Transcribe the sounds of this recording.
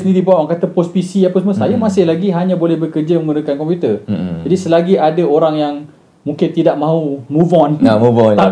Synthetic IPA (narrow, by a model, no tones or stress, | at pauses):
snĩdibawaʔwaŋkat̪əpɔspisiapəsmə̃sajamãsɪhlaɡiɦaɲãbolɛhbəkərd͡ʒəmə̃ndəkankɔmpjut̪ərd͡ʒadisəlaɡiʔadaoɾaŋjaŋ | mũŋkɪnt̪idaʔmãunũvɔnvɔt̪a